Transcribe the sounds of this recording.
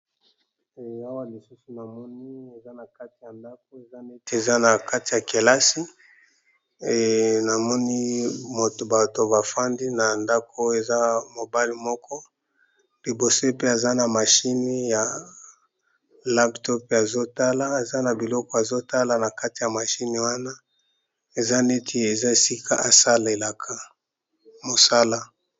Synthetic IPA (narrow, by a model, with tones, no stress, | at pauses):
e˨a˦wa˦li˨su˦su˨na˨mɔ˦ni˦e˨za˦na˨ka˦ti˨ja˨nda˦k̚o˦e˨za˦ne˦te˨za˦na˨ka˦ti˨ja˨ke˨la˦si˦˨ | na˨mɔ˦ni˦mo˨to˨ba˨to˨ba˨fa˦ndi˦na˨nda˦kʰo˦e˨za˦mo˨ba˦li˨mɔ˦kɔ˦ | li˨bo˨so˦pe˦a˨za˦na˨ma˨ʃi˦ni˦ja˨ | la˦ptɔ˦pa˨zo˦ta˦la˦a˨za˦na˨bi˨lɔ˦kɔ˦a˨zo˦ta˦la˨na˨ka˦ti˨ja˨ma˨ʃi˦ni˨wa˦na˦ | e˨za˦ne˦tʰi˨e˨za˦˨si˦kʰa˦˨ʔa˨sa˦le˨la˨kʰa˨ | mo˨sa˦la˦